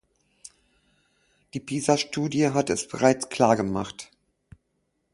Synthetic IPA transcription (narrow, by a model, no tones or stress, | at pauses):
d̥iːpʰiːzaʃtuːdjəɦatɛsb̥əʁaɪt͡skʰl̥aːɐɡəmaχt